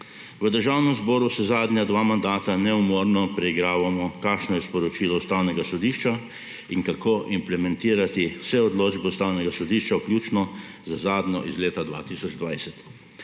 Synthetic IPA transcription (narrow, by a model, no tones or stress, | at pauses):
ʋəd̪əɾʒaːwnɛmzbɔːɾusɛzaːd̪ɲad̪ʋaːmand̪aːt̪anɛmɔɾnɔpɾɛiɡɾaːʋamɔkaːkʃnɔjɛspɔɾɔt͡ʃiːlɔust̪awnɛɡasɔd̪iːʃt͡ʃa | iŋkakʰoːʔimplɛmɛ̃nt̪iːɾat̪iwsɛɔd̪loːd͡ʒbɛust̪aːwnɛɡasɔd̪iːʃt͡ʃawkljuːt͡ʃnɔzazaːd̪nɲɔ̰ʔizleːt̪ad̪ʋa̰t̪isɔd͡ʒd̪ʋajsɛt̪